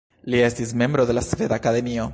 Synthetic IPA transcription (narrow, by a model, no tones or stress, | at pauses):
liesismjembɾoðelasfeðakaðemio